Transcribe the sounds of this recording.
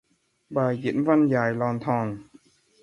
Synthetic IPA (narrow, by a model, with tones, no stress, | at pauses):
baː˨˩jki˨˩˥nwa˧˥˨njaː˨˩jlɔː˧nt̪ʰɔː˧˩ŋ